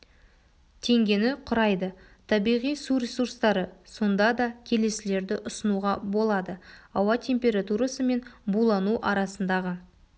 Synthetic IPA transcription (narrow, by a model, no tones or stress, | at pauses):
t̪ʰe̞ŋɡʲe̞nɪqʰʊɾɑjd̪ə | t̪ʰɑbijʁijsuɾʲe̞suɾst̪ɑɾəso̞nd̪ɑd̪ɑkʲʰe̞le̞sɪle̞ɾd̪ɪʔʊsənuʁɑbo̞lˠɑd̪əɑwɑt̪ʰe̞mpʲe̞ɾat̪uɾasəme̞nbulˠɑnuʔɑɾɑsənd̪ɑʁə